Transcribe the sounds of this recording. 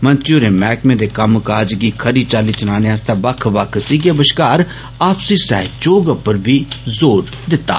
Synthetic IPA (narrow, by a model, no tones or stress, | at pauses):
mɐ̃nt̪ɾijuɾemɛːkmẽd̪ekɐmkaːd͡ʒɡikʰɐɾit͡ʃaːlit͡ʃənaːneaːst̪abɐkʰʋɐkʰsiːɡebəʃkaːɾ | aːpsisɛ̰ːt͡ʃoːɡapəɾbʱizoːɾ | d̪ɪt̪ːa̰ː